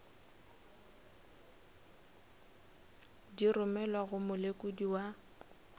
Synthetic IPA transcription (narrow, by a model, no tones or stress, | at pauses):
dirʊmɛlaɣʊmʊlekʼʊdiwa